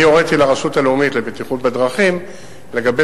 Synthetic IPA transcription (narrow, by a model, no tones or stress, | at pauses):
ijoʁet̪ilaʁaʃutaleumitle̞bet̪iχutbed̪ʁaχim | le̞ɡabe